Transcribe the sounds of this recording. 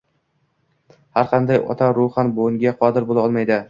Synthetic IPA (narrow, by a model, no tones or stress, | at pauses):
haɾqʰɑnd̪ajɒ̰t̪ʰaɾʊχɑnboŋɡʲaqʰɒd̪ɪɾbolˠaɒlˠmajd̪ɪ